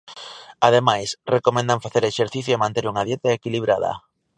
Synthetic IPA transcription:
að̞emajsrekomẽnd̪aɱfaθeɾeʃeɾθiθjoemãnt̪eɾuŋað̞jet̪aekiliβ̞ɾaðɐ̰

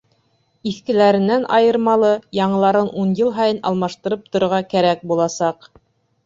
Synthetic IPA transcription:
iθkɘ̆læɾɘ̆nːænʔɑjɤ̆ɾmɑlˠɤjɑɴɤ̆lˠɑɾɤnʔunjɤlˠɦɑjɤnɑ̰lˠmɑʃt̪ɤ̆ɾɤp̚t̪ŏɾŏɾʁɑkæɾæk̚bulˠɑsɑq

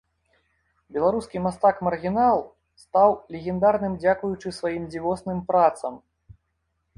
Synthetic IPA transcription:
bʲɛlˠaɾuskʲimast̪akmɐrɣʲinalˠ | st̪awlʲɛɣʲɛnd̪aɾnɨmd͡zʲakujut͡ʂɨsvajimd͡zʲivɔsnɨmpɾat̪sɐm

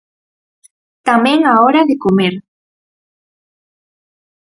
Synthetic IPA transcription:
t̪amẽŋaɔɾaðekomeɾ

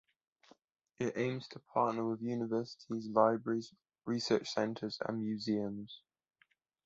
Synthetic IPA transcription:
ʔɪtḛ̃ɪ̃mz̥tʰəpʰɑˑʔnəwɪðjʉːnɪvɜˑsɪ̥tʰizlaɪbɹəɹiz | ɹisɜˑt͡ʃsɛ̃ntʰəzə̰̃nmjʉːziə̃mz̥

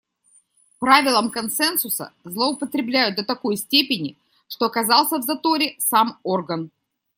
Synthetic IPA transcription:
pɾavʲɪlˠəmkɐnsɛnsʊsə̰zlˠəʊpət̪ɾʲɪblʲæjʊt̪̚d̪ət̪ɐko̞jsʲtʲepʲɪnʲɪ | ʂt̪o̞ɐkɐzɑlˠsʲəvzɐt̪o̞ɾʲɪsamo̞rɡən

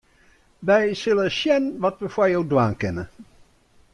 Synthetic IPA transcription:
ʋɛjsɪləʃjɛnʋɔtʋəfɔjowdwaːnkɛnə

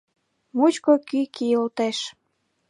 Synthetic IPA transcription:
mut͡ɕkokykiolt̪eʃ

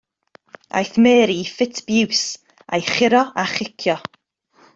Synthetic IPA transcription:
a̰jθmeːɾifɪtʰb̥ɪws | a̰jχɪɾɔaχɪkʰjɔ

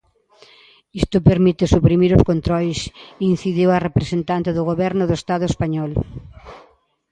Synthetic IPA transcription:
ist̪ʊpeɾmit̪ɪsupɾimiɾʊskont̪ɾɔjsin̟θiðiwarepɾesent̪ant̪eðʊɣoβɛɾnʊðʊest̪aðʊespaɲɔl

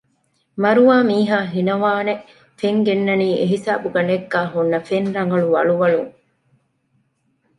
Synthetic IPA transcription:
mɐɾuʋaːmiːɦaːɦinɐʋaːne | feŋɡenːɐniːeɦisaːbuɡɐɳeɡːaːɦunːɐfenɾɐŋɡɐɭuʋɐɭuʋɐɭuŋ

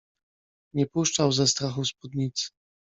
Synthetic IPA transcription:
ɲɛpuʂt͡ʂawzɛst̪ɾaxuspud̪ɲit̪sɘ̥

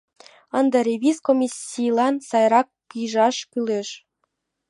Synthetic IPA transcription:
ənd̪ɑɾʲeβʲiskomʲisʲːijlˠɑnsɑjɾɑkːijʒɑʃkyleʃ

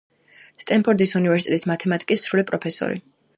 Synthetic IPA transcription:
st̪ʼɛmpʰɔɾd̪isunivɛɾsit̪ʼɛt̪ʼismat̪ʰɛmat̪ʼi̥kʼisːɾulipʼɾɔpʰɛsɔ̰ɾḭ

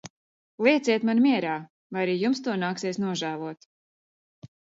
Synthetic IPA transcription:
lˠiɛt̪siɛt̪manmʲiɛɾaː | vajaɾiːjumst̪uɔnaːksiɛsnuɔʒæːlˠuɔt̪

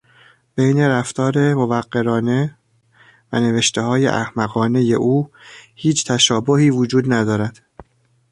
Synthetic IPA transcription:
b̥ejne̞ɾæft̪ʰɒːɾe̞mo̞væɢːe̞ɾɒːne̞ | væ̰ne̞ve̞ʃt̪e̞hɒːjḛʔæhmæɣɒːne̞je̞ʔuːhiːt͡ʃʰt̪ʰæʃɒːbohiːvod͡ʒuːd̪næd̪ɒːɾæd̪̥

